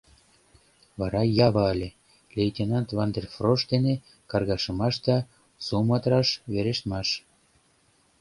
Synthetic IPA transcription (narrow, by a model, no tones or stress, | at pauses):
βɑɾɑjɑβɑlʲe | lʲejtʲenɑnt̪vɑnd̪erfroʃd̪ene | kɑrɣɑʃəmɑʃd̪ɑ | sumɑt̪ɾɑʃβeɾeʃt̪mɑʃ